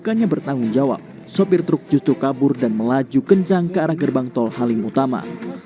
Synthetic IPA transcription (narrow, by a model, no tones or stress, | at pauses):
ukaɲabərt̪aŋʊnd͡ʒawa̰p̚ | sopɪrt̪ɾʊk̚d͡ʒust̪ɾukabʊrdanməlad͡ʒukəɲt͡ʃaŋkəaɾahɡərbaŋt̪ɔlhalɪŋut̪ama̰